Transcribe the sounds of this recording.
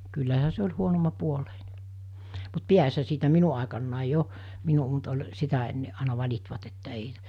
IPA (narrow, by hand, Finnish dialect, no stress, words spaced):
kylːæhæ se olʲ huonomːɑpuoleine mut piæshæ siːtæ minu ɑˑekɑnːɑˑi jo minu mut ol sitæ enːe ɑˑinɑ ʋɑlʲitʋɑt etːæ ei